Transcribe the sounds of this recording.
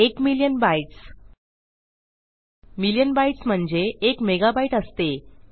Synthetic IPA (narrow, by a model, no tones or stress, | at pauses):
ekmiljənbajʈs | miljənbajʈsm̤əɳd͡zeːkmeɡabaiʈəst̪e